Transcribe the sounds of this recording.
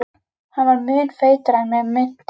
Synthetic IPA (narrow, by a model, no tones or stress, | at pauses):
hanvaɾmʏːnfeːjt̪ɾamɛmʏn̥t̪